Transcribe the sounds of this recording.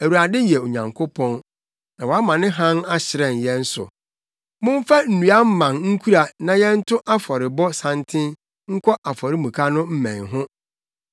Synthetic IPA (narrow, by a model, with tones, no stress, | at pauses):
æ˨wu˨ɾa˨dɪ˦jɛ˨o˨ɲã˨ŋkʰʊ˦pʰɔ̃˦n | nã˨wɔ˨a˦mã˨nɪ̃˦ɦã˦na˦ɕɪ˨ɾɛ̃˨n˨jɛ̃˦n̩˦sʊ̰˨ | mʊ̃˦ɱ˦fa˦n̩˨nũ˨a˦m̩˦mã˨nŋ̩˦kʰu˦ɾa˨nã˨jɛ˦n̩˦tʰʊ˦ʔa˦fɔ˨ɾɪ˨bɔ˦sã˦ntʰɪ̃˦n | ŋ̩˦kʰɔ˦ʔa˨fɔ˨ɾɪ˦mũ˨kʰa˦nʊ̃˦m̩˦mæ̰̃˨nɦʊ̃˦